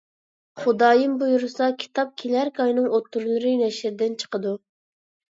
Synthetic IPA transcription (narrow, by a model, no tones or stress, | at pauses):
χʊd̪ɑːjimbujuɾɨsɑkʲʰi̥t̪ʰɑp̚kʲʰelæɾkʰɑjnɨŋot̪ʰːuɾlˠɨɾɨnɛʃɪɾɪd̪ɪnt͡ʃʰə̥qəd̪u